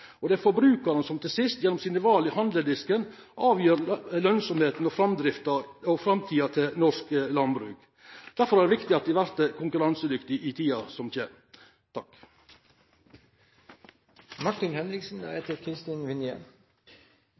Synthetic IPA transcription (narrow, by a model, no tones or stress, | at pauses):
ɔd̪ɛfɔɾbɾʉːkɑɾənsɔmt̪ʰɪlsɪst̪jɛnːɔmsiːnəʋɑːlɪhɑnd̪əd̪ɪskənʔɑːʋjøːɾlœnsɔmheːt̪n̩ɔfɾɑmd̪ɾɪft̪ɑɔfɾɑmt̪ʰiːɑt̪ʰɪnɔʂklɑnbɾʉ̰ːk | d̪̥æɾfɔɾæɖ̪ɛʋɪkt̪ɪɑt̪̚d̪ɪʋæɾt̪əkʰʊŋkʉɾɑnsəd̪ʏkt̪ɪʔɪt̪ʰiːɑsɔmçeː | t̪ʰɑk | mɑʈːɪnhɛnɾɪksn̩d̪æ̰heːt̪əɾkʰɾɪst̪ɪnʋɪnjə̰